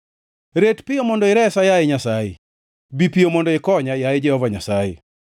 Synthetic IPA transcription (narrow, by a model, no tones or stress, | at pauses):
ɾetpɪjomɔndɔɪɾɛsajajɪɲasajɪ̰ | bipiomɔndɔɪkɔɲajajɪd͡ʒɛhɔvaɲasajḛ